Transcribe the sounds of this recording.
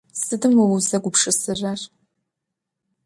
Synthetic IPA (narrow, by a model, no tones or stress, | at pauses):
sɨdɨmwɔwʊzɐɡʷʊpʂɨsɨrɐr